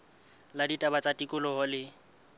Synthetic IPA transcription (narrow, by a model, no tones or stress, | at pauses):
laditʼabat͡sʼatʼikʼʊlɔɦɔlɪ